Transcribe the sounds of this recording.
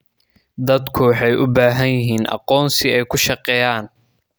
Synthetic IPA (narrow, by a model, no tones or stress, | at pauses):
d̪ɐd̪kʰʊwɑħɑjʔʊbaːɦɐnjɪɦiːnʔɑ̰qɔːnsɪɛjkʰʊʃɑqɛːjaːn